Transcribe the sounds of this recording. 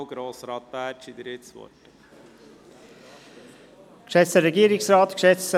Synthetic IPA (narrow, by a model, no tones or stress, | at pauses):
ɡ̥ɾoːsɾɑt̪̚bæːɾt͡ʃid̪əɾɪt̪sʋɔ̰t | kʃɛt͡səɾɛɡiːəɾɪksɾɑːt̪kʃɛt͡sə